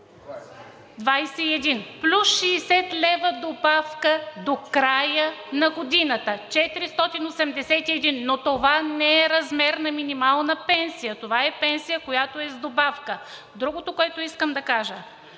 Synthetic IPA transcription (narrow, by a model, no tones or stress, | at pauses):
d̪vajsɛiɛd̪inplʲusʃɛːsɛt̪lʲɛvəd̪obafkəd̪okɾajənɐɡod̪inət̪ət͡ʃɛt̪iɾist̪ɔt̪inosɛmd̪ɛsɛt̪iɛd̪inːot̪ovanɛɛɾɐzmɛɾnɐminimalˠnəpɛnsijət̪ovaɛpɛnsijəkojat̪oɛzd̪obafkə | d̪ɾuɡot̪okoɛt̪oiskəmd̪ɐkaʒə